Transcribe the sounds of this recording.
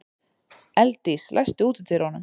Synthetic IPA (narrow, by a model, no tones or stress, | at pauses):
ɛlt̪islʔa̰jst̪ʏuːt̪ɪt̪ɪɾoːnʏm